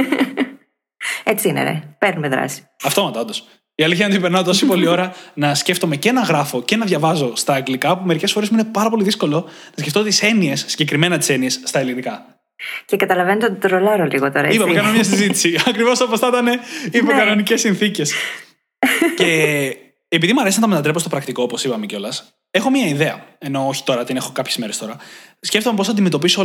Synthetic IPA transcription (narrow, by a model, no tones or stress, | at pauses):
et͡siinḛɾḛpe̞ɾnumeðɾɐ̰si̥ɐft̪omɐt̪ond̪o̞s | iɐliçɐnd̪ipeɾnɐot̪osipo̞lio̞ɾɐnɐsce̞ft̪o̞me̞ceenɐɣɾɐfo̞ce̞nɐðʝɐvɐzo̞st̪ɐːɡlikɐpume̞ɾice̞sfo̞ɾezmuinepɐɾɐpo̞liðisko̞lo̞nɐskce̞ft̪o̞t̪ise̞nie̞sːiɲɟe̞kɾime̞nɐt̪ise̞nie̞sːt̪ɐelinikɐ | cekɐt̪ɐlɐvenot̪od̪ɾolɐɾoliɣot̪oɾɐipɐmekɐnomɲɐsizit̪i̥siɐkɾivo̞sɐposɐt̪ɐne̞ipokɐno̞nice̞sːinθice̞s | ce̞ː | piðimɐɾesinɐt̪ɐme̞t̪ɐt̪ɾpot̪o̞pɾɐkt̪iko̞opo̞sipɐmeco̞lɐs | e̞xo̞mɲɐiðe̞ɐ̰eno̞oçi̥t̪o̞ɾɐt̪ine̞xo̞kɐpçzme̞ɾe̞st̪o̞ɾɐsce̞ft̪omepoθɐd̪ime̞t̪o̞pisoo